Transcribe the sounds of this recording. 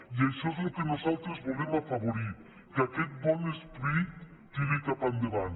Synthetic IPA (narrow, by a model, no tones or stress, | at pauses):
jejsoslokenosalt̪ɾezbolemafaβoɾit̪̚ | keaket̪̚bɔnespɾit̪ː | inek̪apand̪eβan